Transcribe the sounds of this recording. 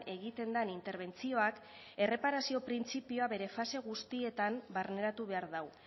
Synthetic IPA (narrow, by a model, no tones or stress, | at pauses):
e̞ɣit̪e̞nd̪anint̪e̞ɾβ̞e̞nt͡sio̞ak | e̞re̞paɾasio̞pɾint͡sipioaβe̞ɾe̞fase̞ɣust̪ie̞t̪ambarne̞ɾat̪uβ̞e̞aɾðaw